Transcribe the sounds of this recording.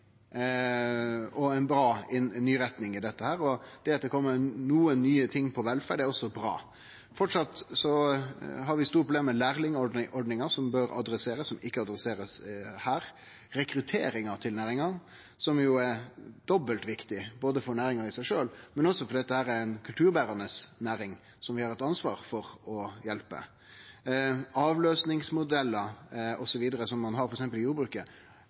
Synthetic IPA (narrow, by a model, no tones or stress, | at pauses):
ɔæɪnbɾɑːɪnnyːɾɛt̪nɪŋɪd̪ɛt̪ːəhæːɾɔd̪̥ɛɑt̪̚d̪ɛkʰɔmːəɾnuːənːyːət̪ʰɪŋːpʰɔʋɛlfæːɖɛɾɔsːɔbɾɑ̰ː | fɔʈʂɑt̪sɔ | ɦɑɾʋɪst̪uːɾəpʰʊb̪leːmɛlæːɾlɪŋɔʔɔɾɖnɪŋɑsɔmbøɾɑ̰d̪ɾɛseːɾəsːɔmɪkːəɑd̪ɾɛseːɾəshæːɾ | ɾɛkɾʉt̪ʰeːɾɪŋɑɾt̪ʰɪlnæːɾɪŋɑ | sɔmjʊæɾd̪̥ɔbːəlt̪ʋɪkt̪ɪboːd̪əfɔɾnæːɾɪŋɑɾɪsæɪʂøːlmɛnɔsːɔfɔɾd̪ɛt̪ːəhæːɾæɾæɪnkʰʉlt̪ʰʉːɾbæːɾɑnəsnæːɾɪŋ | sɔmʋɪhɑɾɛt̪ɑnsʋɑ̰ːɾfɔɾɔjɛlpə̰ | ɑːʋløːsnɪŋsmʊd̪ɛlːəɾɔsɔʋiːd̪əɾəsɔmːɑnɦɑɾfɔɾɛksɛmpəlɪjuːɾbɾʉːkə